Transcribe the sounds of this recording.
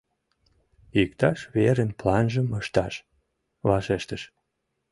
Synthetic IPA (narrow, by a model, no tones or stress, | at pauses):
ikt̪ɑʃβeɾenplɑnʒəməʃt̪ɑʃ | βɑʃeʃt̪əʃ